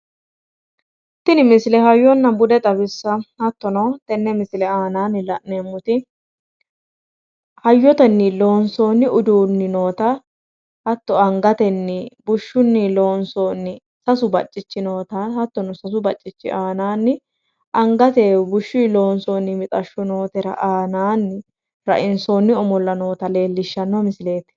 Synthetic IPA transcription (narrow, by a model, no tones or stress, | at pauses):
t̪ːɪnɪmɪslɛɦɐjːɔnːɐbʊd̪ɛt̪ʼɐbɪsːɐhɐt̪ːɔnot̪ɛnːɛmɪslɛaːnaːnːɪlɐʔneːmːʊt̪ɪ | hɐjːɔt̪ɛnːɪlo̞ːnso̞ːnːɪʊd̪uːnːɪno̞ːt̪ɐ | hɐt̪ːɔɐŋɡɐt̪ɛnːɪbʊʃːʊnːɪlo̞ːnsoːnːɪ | sɐsʊbɐt͡ʃʼːɪt͡ʃːɪno̞ːt̪ɐhɐt̪ːɔnʊsɐs̬ʊbɐt͡ʃʼːɪt͡ʃːɪ̰ʔaːnaːnːɪ | ʔɐŋɡɐt̪ɛbʊʃːiːlo̞ːnsoːnːɪmɪt̪ʼɐʃːʊno̞ːt̪ɛɾɐ̰ʔaːnaːnːɪ | ɾɐ̰ʔɪnsoːnːɪɔmɔlːɐno̞ːt̪ɐle̞ːlːɪʃːɐnːɔmɪsɪle̞ːt̪ɛ̥